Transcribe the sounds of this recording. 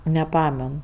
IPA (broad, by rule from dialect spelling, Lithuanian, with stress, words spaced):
nʲɛˈpɑːmʲɛn